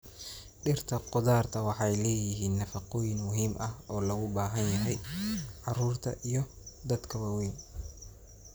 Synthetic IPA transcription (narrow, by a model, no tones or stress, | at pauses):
ɖɪrt̪ʰɐqʊðaːrt̪ʰɐwɑħɑjlɛːjɪɦiːnːɐfɑqɔːjɪnmʊɦiːmʔɐhɔːlɐɣʊbaːɦɐnjɐɦɛjʕɑruːrt̪ʰɐ̰ʔijɞ | d̪ɐd̪kʰɐwɐwɛːn